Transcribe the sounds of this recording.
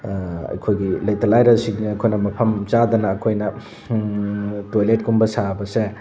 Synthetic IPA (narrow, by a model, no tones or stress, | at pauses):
ɐ̰jkʰojɡilɐjt̪ɐlajɾɐsiŋniɐjkʰojnɐmɐpʰɐmt͡ʃad̪ɐnɐːkʰojnɐ | tojlet̚kumbɐsabɐse